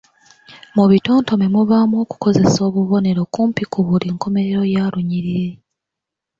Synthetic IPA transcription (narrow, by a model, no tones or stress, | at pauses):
muβitoːnto̞memuβamwoːku̥ko̞ze̞so̞ːβuβo̞ne̞ɾo̞kuːmpikuβuliːŋko̞me̞ɾe̞ɾo̞jaːɾuɲiɾiɾe̞